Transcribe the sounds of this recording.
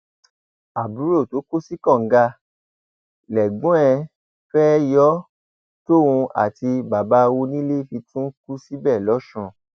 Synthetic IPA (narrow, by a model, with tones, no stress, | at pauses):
a˨bu˨˦ɾo˦˨to˨˦ku˦si˦kɔ̃˦˨ŋ̩˨˦ɡa˧ | lɛ˨ɡ͡bũ˨˦ɛ̃˧ | fɛ˦jɔ˦ | to˦˨wũ˧a̰˨ti˧ba˨ba˨˦˧wo˧nĩ˦le˦fi˧tʰũ˦ku˦si˦bɛ˦˨lɔ˨˦ʃũ˧